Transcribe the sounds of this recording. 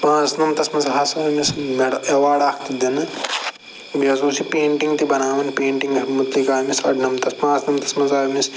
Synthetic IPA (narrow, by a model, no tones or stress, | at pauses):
pãːt͡snɐmt̪ɐsmɐnzɦɐsɐmismeɽɐeʋaːɽaːkʰt̪id̪ɐnɐ | bjɐzũːsipeːɳʈiŋɡt̪ibɐnaːʋɐnpẽːɳʈiŋɡɐmut̪likaːmisɐɖnɐmt̪ɐspãːsnɐmt̪ɐ̥smɐnzaːjmis